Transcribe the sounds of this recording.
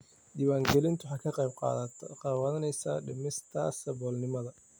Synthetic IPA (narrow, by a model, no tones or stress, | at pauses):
d̪iːwaːŋɡɛlɪnt̪ʰʊħɑkʰɐqɑjb̚qɑ̰ːðɐt̪ʰɔqɑːwɐðɐnɛjsaɖɪmɪst̪ʰɐ̰sɐbɔːlnɪmɐðɐ